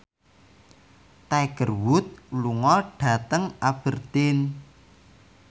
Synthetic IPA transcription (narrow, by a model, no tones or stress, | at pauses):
t̪ajɡ̥ərwʊt̪̚luŋɔɖ̥a̤t̪əŋʔab̥ə̤rt̪ɪn